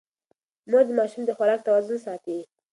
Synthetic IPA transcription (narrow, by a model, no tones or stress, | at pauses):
mod̪əmɑʃumd̪əxwaɾɑk̚t̪awɑzʊnsɑt̪i